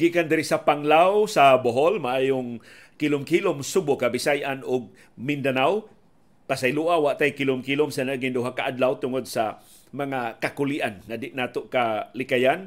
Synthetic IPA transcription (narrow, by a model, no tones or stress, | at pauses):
ɡikand̪ɪɾɪsapaŋlawsaboɦolmaʔaːjʊŋ | kɪlʊmkilʊmsubʊkabɪsajʔanʊɡ̚ | mɪnd̪anaw | pasajluʔawaʔt̪ajkilʊmkilʊmsanaɡɪnd̪uɦakaʔad̪lawt̪ʊŋod̪̚sa | maŋakakʊliʔanŋadɪʔnaːt̪oʔkalɪkajan